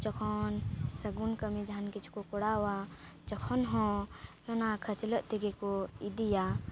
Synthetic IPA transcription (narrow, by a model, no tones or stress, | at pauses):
t͡ʃəkʰɔnsɐɡunkəmẽd͡ʒʱankit͡ʃʰkokɔɽawa | t͡ʃəkʰɔnɦɔ̃jɔnãkʰət͡ʃləʔt̪iɡekoid̪ija